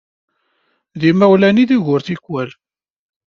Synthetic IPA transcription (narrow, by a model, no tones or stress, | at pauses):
ðimæwlæniðiʝʊɾθikːwæl